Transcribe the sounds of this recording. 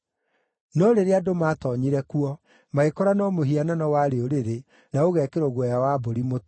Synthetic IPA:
nɔɾeɾeadomaːtɔɲiɾɛkuɔ | maekɔɾanɔmoɦiananɔwaɾeoɾeɾe | naoɣɛːkeɾoɣwɛjawaboɾimot

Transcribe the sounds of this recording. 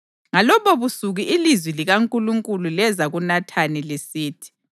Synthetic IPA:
ŋalɔβɔβusuɣiʔilizwiliɣaŋkʼuluŋkʼululɛzaɣunatʰanilesiːtʰi̥

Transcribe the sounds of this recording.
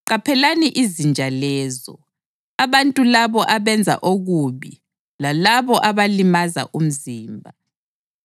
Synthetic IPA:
ǃapʰɛlaniʔizind͡ʒʱalɛːzɔ̰ | aβantʼulaβɔʔaβɛnd͡zʱa̰ʔoɣuβi | lalaβɔʔaβalimaza̰ʔum̩ziːmbʱa

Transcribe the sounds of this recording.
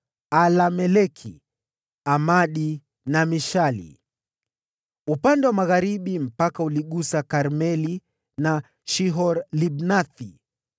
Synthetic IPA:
alamɛlɛkʰḭ | amaɗi | namiʃalḭ | upandɛwamaɣaɾiɓim̩pakauliɠusakaɾmɛli | na | ʃiɦɔɾliɓnaθi

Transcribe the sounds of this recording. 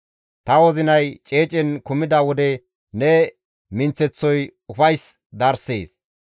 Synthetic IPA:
t̪ɐwɔzɪnɐjt͡ʃʼe̞ːt͡ʃʼɛnkʊmɪd̪ɐwɔd̪ɛ | nɛ | mɪnt͡sɛt͡sːɔjʊfɐjs | d̪ɐɾseːs

